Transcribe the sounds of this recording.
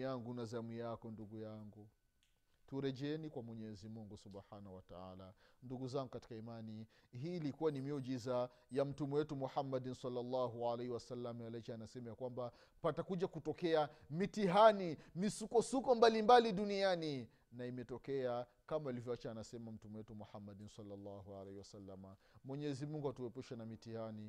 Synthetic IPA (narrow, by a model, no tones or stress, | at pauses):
aŋɡunazamijakɔnduɡujaŋɡu | tuɾɛʄɛɛnikwamwɛɲɛzimuŋɡusubħanahuwata̰a̰la̰nduɡuzaŋɡukati̥kaimani | ɦiːlikuwanimiɔʄiza | jam̩tumɛwɛtumuħamːadinsalːalːɑɦuʕalehiwasalːamjalat͡ʃaanasɛmajakwamba | patakuʄakutɔkɛamitiɦanimisukɔsukɔmbalimbaliɗuniani | naimɛtɔkɛa | kamailivjɔwat͡ʃaːnasɛmam̩tumɛwɛtumuħamːaɗinsalːalːɑhualehiwasalːama | mwɛɲɛɛzimuŋɡuhatuɛpuʃɛnamitihani